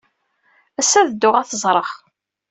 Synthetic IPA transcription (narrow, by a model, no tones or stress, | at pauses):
æsːæðd̪ːʊʁæθəzˤɾˤəχ